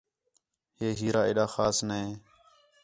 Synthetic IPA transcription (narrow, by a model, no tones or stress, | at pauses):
heːɦiːɾaːḛːɗaːxaːsnəẽː